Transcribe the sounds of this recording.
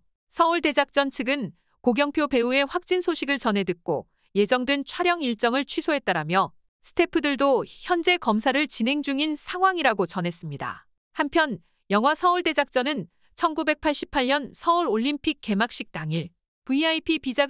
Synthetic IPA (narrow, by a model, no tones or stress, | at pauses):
sʰʌuɭde̞d͡ʑak̚t͡ɕ͈ʌnt͡ɕʰɯɡɯn | koɡjʌŋpʰjope̞ue̞ɸwak̚t͡ɕ͈insʰoɕʰiɡɯɭt͡ɕʌnɦe̞dɯk̚k͈o̰ | je̞d͡ʑʌŋdwent͡ɕʰwaɾjʌŋiɭt͡ɕ͈ʌŋɯɭt͡ɕʰɥisʰoɦe̞t͈aɾamjʌ | sʰɯ̥tʰe̞pʰɯdɯɭdoçjʌnd͡ʑe̞kʌmsʰaɾɯɭt͡ɕinɦe̞ŋd͡ʑuŋinsʰaŋwaŋiɾaɡot͡ɕʌnɦe̞s͈ɯmɲida̰ | hampʰjʌn | jʌŋɦwasʰʌuɭde̞d͡ʑak̚t͡ɕ͈ʌnɯn | t͡ɕʰʌnɡube̞k̚pʰaɭɕ͈ipʰaɭɲʌnsʰʌuɾoʎːimpʰik̚k͈ːe̞mak̚ɕ͈ik̚t͈aŋiɭ | puiaipʰipid͡ʑa